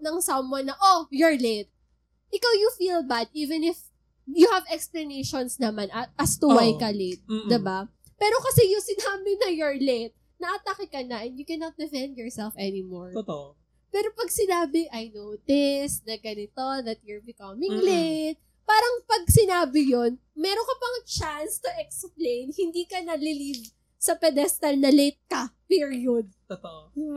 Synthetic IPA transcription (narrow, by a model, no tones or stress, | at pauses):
nɐŋsɐmwɐnːɐʔojɔɹlet̪̚ | ʔɪkawjʊfilbad̪̚ʔiːvɛ̃nɪf | jʊhɐvɛksplɐnejʃonsnɐmanɐt̪̚ʔɐst̪ʊwajkɐlet̪̚d̪ɪba | pɛːɾo̞kɐsɛjʊŋsɪnaːbɪnɐjɔɹlet̪̚ | nɐʔɐt̪ɐkɪkɐnaʔɪnjʊkɛnɐt̪̚d̪ɪfɛ̃nd̪jɔɹsɛlfɛnɪmoɹt̪ | pɛːɾo̞pɐɡsɪnaːbɪʔɐjnowt̪ɪsnɐɡɐnɪt̪oðɐt̪̚jʊɹbɪkɐmɪ̃ŋlejt̪̚ | paːɾɐŋpɐɡ̚sɪnaːbɪjon | mɛɾonkɐpɐŋt͡ʃanst̪ʊʔɛksplejnhɪnd̪iːkɐnɐlɪliv | sɐpɛd̪ɛst̪ɛlnɐlet̪̚kɐpiɹiod̪̚tt̪